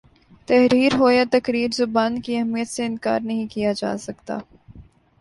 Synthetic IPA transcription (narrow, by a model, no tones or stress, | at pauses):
t̪ɛɦɾiːɾɦoːjat̪ɐkɾiːɾzʊbaːnkiɛɦmijət̪seɪ̃nka̰ːɾnɐɦĩkijad͡ʒa̰ːsɐkt̪a̰ː